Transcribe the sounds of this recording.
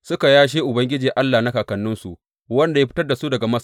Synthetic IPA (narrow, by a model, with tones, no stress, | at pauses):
sʊ˦ka˨jaː˦ʃ̬eː˦ʔʊ˨bɐ˦ŋɡʲɪ˦d͡ʒiː˨ʔa˦lːaː˨na˦kaː˨kɐ˨nːʊ˦nsṵ˨ | wɐ˦nda˨ja˦ɸɪ̥˦tɐ˦rda˨su˦dɐ˨ɡa˨mɐ˦s